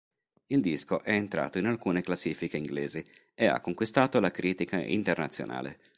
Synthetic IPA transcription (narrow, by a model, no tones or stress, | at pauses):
ild̪iskoʔɛent̪ɾa̰ːt̪oinalkuːneklasːiːfikeiŋɡleːzi | ea̰kːoŋkwist̪aːt̪olakɾʔiːt̪ikaʔḭnt̪ernat̪sːjo̰nʔa̰ːlḛ